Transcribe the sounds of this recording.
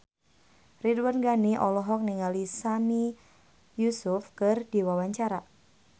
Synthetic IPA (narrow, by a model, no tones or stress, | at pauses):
ridwanɡaniʔɔlɔɦɔk̚niŋalisami | jusufkɨrdiwawaɲt͡ʃaɾa